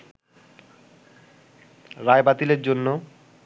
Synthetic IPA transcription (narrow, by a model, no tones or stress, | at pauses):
ɾaebat̪ileɾd͡ʑonːo